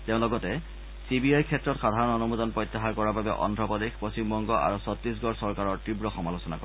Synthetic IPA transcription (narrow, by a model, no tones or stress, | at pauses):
teʊ̃lɔɡɔtɛ | sibiajkʰɛtːɹɔtxadʱaɹɔnɔnumudɔnpɹɔjtːaxaɹkɔɹababɛ̰ʔɔ̰ndʱɹɔpɔdexpɹosimbɔŋɡɔʔa̰ɹusɔtɹis̬ɡɔɹsɔɹkaɹɔɹtibɹɔxɔmalosɔnakɔɹ